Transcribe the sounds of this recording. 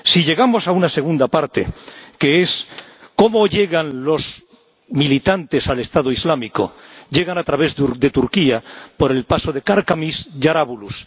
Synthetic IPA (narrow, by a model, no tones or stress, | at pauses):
siʎe̞ɣamo̞saunase̞ɣ̞und̪apaɾt̪e̞̰ke̞esko̞mo̞ʎe̞ɣanlo̞z | milit̪ant̪e̞sale̞st̪aðoizlamiko̞̰ʝe̞ɣ̞anat̪ɾaβ̞e̞zðɾd̪e̞t̪uɾkiapo̞ɾe̞lpaso̞ðe̞kaɾkamisʝaɾaβulus